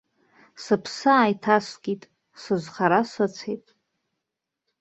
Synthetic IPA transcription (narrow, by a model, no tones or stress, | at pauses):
sɨpʰsɨaːjtʰasʷɡʲʼitʼ | sɨʒʷχaɾasʷat͡sʰejtʼ